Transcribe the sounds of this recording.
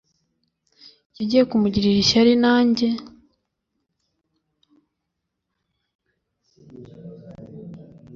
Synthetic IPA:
ciɟijekumuɟiɾiɾiʃaɾinaːɲɟe̞

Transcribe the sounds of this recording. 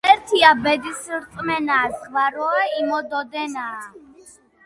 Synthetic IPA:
ɛɾt̪ʰiabɛd̪isɾt̪ʼmɛnaːsvaɾɔaimɔd̪ɔd̪ɛna

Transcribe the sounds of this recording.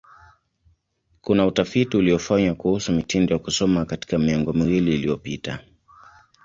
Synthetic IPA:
kunautafitiuliɔfaɲakuhusumitindɔjakusɔmakati̥kamiaŋɡɔmiwiliːlijɔpita̰

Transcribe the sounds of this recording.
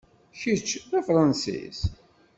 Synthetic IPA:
çit͡ʃːæfɾˤɑnsḭz

